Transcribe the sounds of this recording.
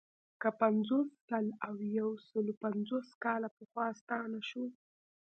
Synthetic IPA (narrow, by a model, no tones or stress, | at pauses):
kəpanzosːalawjawsəlopanzoskɑlapəxwɑst̪ɑnaʃu